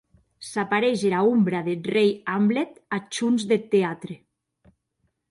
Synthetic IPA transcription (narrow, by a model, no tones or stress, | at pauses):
sapaɾeʒeɾaumbɾaðet̪rejamblet̪at͡ʃunzðet̪ːeat̪ɾe